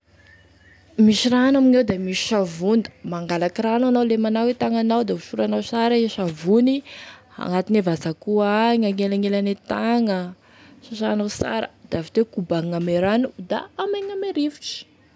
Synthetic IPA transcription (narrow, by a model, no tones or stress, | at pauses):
miʃiranaminewd̪amiʃi̥ʃavund̪ə̥maŋɡalakirananawlemanawet̪aŋanawd̪auʃuɾanawsaɾaiʃavuni | a̰ŋat̪inevazakuaaŋaŋelaŋelanet̪aŋə | ʃaʃanawsa̰ɾə̰d̪̥avit̪ekubaŋameɾanud̪a̰ameŋameɾefu̥ʈ͡ʂi̥